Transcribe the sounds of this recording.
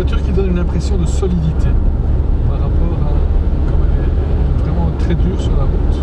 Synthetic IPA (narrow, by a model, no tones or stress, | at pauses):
at̪yʁkʲid̪ɔnynɛ̃pχesjɔ̃d̪əsɔlid̪it̪ʰe | paʁapɔʁakɔmɛlɛvʁɛmɑ̃t̪χɛd̪yːʁsyʁlaʁut̪